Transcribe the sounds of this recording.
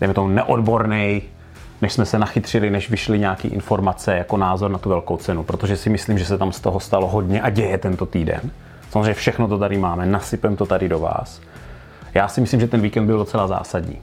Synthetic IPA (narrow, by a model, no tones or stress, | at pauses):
dɛjmɛt̪omunɛʔodbo̞ɾnɛj | nɛʃsmɛsɛnaxɪt̪r̝̥ɪlɪnɛʃvɪʃlɪɲɛakḭːʔɪ̰nfo̞ɾmat͡sɛjako̞naːzoɾnat̪uvɛlkowt͡sɛnupɾot̪oʒɛsɪmɪsliːmʒɛsɛt̪amst̪oɦost̪alo̞ɦo̞dɲɛʔaɟɛjɛt̪ɛnt̪o̞t̪iːdɛ̰n | samozreɛjɲɛfʃɛxnot̪ot̪aɾɪmaːmɛnasɪpɛmt̪ot̪adɪdo̞va̰ːs | jaːsɪmɪsliːmʒɛt̪ɛnviːkɛnd̪bɪldot͡sɛlaza̰ːsadɲḭː